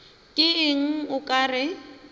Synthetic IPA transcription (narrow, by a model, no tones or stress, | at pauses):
kʼɪɪŋ̩ʊkʼaːrɪ